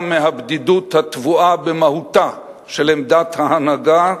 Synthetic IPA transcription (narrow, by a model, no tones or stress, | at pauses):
meɦabd̪id̪ut̪hat̪vuabemahut̪a | ʃelemd̪at̪haanaɡa